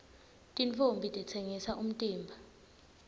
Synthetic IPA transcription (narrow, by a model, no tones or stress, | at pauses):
tʼint͡fʼombʱitʼit͡sʰeŋisaʔum̩tʼiːmbʱa